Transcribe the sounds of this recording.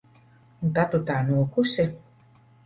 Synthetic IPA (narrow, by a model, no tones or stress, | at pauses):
t̪at̪ut̪aːnuːkuse